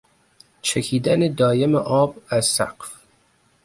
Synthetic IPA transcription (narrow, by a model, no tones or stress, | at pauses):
t͡ʃʰekʰiːd̪æned̪ɒːje̞meʔɒːbæz̥ːæ̰qf